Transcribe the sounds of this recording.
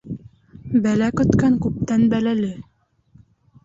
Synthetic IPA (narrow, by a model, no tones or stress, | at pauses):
bælækɵ̆t̪kæŋkʉp̚t̪ænbælælɘ